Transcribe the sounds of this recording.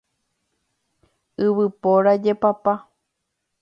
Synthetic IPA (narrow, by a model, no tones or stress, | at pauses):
ɨβɨpoɾad͡ʒepapa